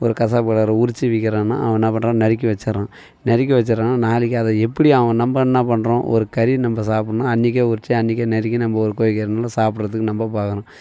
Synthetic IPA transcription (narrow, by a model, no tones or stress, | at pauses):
ɔɾɯkɐsaːpkɐɽɐːɾɐʊɾɪt͡ʃːɯʋɪkːɪɾãːna̰ːɐʋɐ̃naːpɐɳɾãːnɐɾɪk̬ːɯʋɐt͡ʃːɐɾãː | nɐɾɪkːɯʋɐt͡ʃːɯɾãːnːaːnaːlɪkːɐðɐɛpːɐɽiɐʋɐ̃nɐmbɐnːaːpɐɳːɾõːʔɔ̰ɾɯkɐɾinɐmbɐsaːpɽɐnaːɐnːɪk̬ːɐʊɾɪt͡ʃːɯɐnːɪk̬ːɐnɐɾɪk̬ːɯnɐmbɐɔɾɯkoːʋɪkɐɾɪnaːlɐsaːpʈɾɐðɯkːɯnɐmbɐpaːkɐɾʊ̃ː